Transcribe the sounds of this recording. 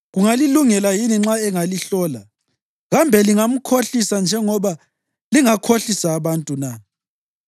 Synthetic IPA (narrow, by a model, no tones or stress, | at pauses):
ɣuŋaliluŋɛlajiniŋ͡ǁaɛŋaliɬɔːla | ɣambʱɛliŋam̩kʰoɬisand͡ʒʱɛŋɔβa | liŋakʰoɬisaːβantʼuna